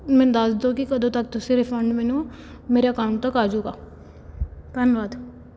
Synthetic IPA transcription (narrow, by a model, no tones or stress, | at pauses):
mɛ̃ːd̪əsd̪oːkɪkəd̪õːt̪ək̚t̪ʊsĩːɾɪpʰəɳɖmɛːnũː | meːɾaːkaʊ̃ɳʈ̚t̪əkaːd͡ʒuːɡaː | pənʋaːd̪